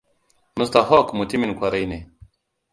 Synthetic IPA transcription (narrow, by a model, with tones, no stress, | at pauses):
mu˦st̪a˨ɦɔ˦kmu˨ti˦mi˨nkʷwa˨ɾa˦jne˨